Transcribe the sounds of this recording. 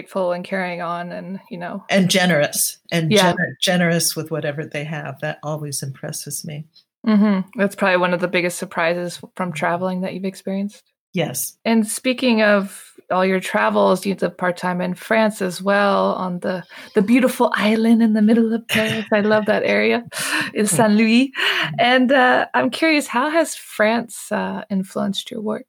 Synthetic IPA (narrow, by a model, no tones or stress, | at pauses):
ɪtfl̩ˠə̃nkʰɛɹiɪ̃ŋə̃nɨ̃njɨnoʊʔɨ̃nd͡ʒɛnə˞ɨsʔɨ̃njæɛnə̥˞d͡ʒɛnə˞ɨswəðwʌɾɛvə˞ðeɪɨvðɨɾɔlˠwizɨ̃mpʰɹ̥ɛ̰sɨz̥mi | m̩m̥m̩ðætspʰɹ̥ɑbəbliwʌ̃nʌvðəbɪɡɨstsə˞pʰɹ̥aɪzɨz̥fɹʌ̃mtʰɹ̥ævl̩ˠɪ̃ŋðɨt͡ʃʉvɨkspɪɹiɨ̃nst̚ | jɛsɨ̃nspikɪ̃ŋʌvɔlˠjə˞tʰɹ̥ævl̩ˠzjʉðɨv̥pʰɑɹtʰãɪ̃mɨ̃nfɹæ̃nsɨzwɛlˠə̰̃nðəðɨbjʉɾəfl̩ˠʔa̰ɪlˠɨ̃ndɨ̃nðɨmɪɾl̩ˠʌv̥pʰeɪsaɪlʌvðɨɾɛɹiɨɨz̥sæ̃nlʉiɨ̃nʌãɪ̃mkʰj̥ʊɹiɨshaʊɨz̥fɹæ̃nsʌɪ̃ɱfluə̃nst͡ʃə̰˞wɜ˞k̚